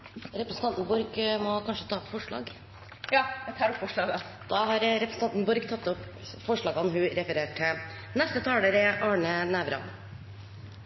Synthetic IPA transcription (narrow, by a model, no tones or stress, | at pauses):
ɾɛpɾɛsən̩t̪ʰɑnt̪nbʊɾɡmɔkʰɑnʂət̪ʰɑːɔpfɔʂɭɑ̰ːɡ | jɑːɛt̪ʰɑɾɔpfɔʂɭɑːɡd̪̥ɑːɦɑɾɾɛpɾsn̩ɑnt̪nbʊɾɡt̪ʰɑt̪ːɔp | fɔʂɭɑːɡɑnɦʉɾɛfəɾeːʈʰːɪ | nɛst̪ət̪ʰɑːləɾəʔɑːɳənæʋɾɑ̰n